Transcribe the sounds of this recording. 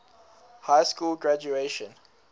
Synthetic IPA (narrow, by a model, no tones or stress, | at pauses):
hajskulɡɹad͡ʒueʃə̃n